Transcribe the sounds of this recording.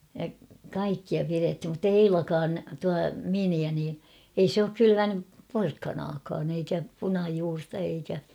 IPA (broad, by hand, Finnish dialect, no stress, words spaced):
jɑ kɑikːiɑ pirethim mutːei eilɑkɑːn tuɑ miniæ niː ei s oːk kylyʋænyp porkːɑnɑːkɑːn eikæ punɑjuːrtɑ eikæ